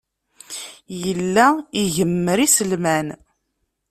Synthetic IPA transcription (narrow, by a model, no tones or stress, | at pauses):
jəlːæiʝəmːəɾisəlmæn